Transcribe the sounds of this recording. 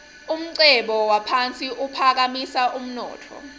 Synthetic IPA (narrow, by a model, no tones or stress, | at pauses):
um̩ǀɛɓɔwapʰant͡sʼiʔupʰak̬amisaʔum̩nɔ̰ːtʰɔ̰